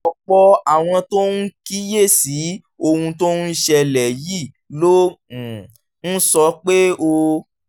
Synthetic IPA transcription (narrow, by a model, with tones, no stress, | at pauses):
ɔ˧k͡pɔ˦a˦˨w̃ɔ̃˧to˦nu˦ki˦je˦˨si˨˦ | o˧hũ˧to˦n̩˦ʃɛ˧lɛ˨ji˦˨ | lo˦˨ | n̩˦sɔ˧˦k͡pe˦o˧